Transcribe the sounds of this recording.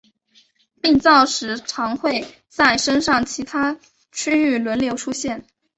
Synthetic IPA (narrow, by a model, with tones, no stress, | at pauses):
pi˥˧ŋt͡sɑ˥˩ʊʂɻ̩˧˥ʈ͡ʂʰɑ˧˥ŋxwe˥˩ɪ | t͡sa˥˩ɪʂə˥nʂɑ˥˩ŋt͡ɕʰi˧˥t̪ʰa˥ | t͡ɕʰy˥y˥˩lwə˧˥nljo˧˥ʊʈ͡ʂʰu˥ɕjɛ˥˩n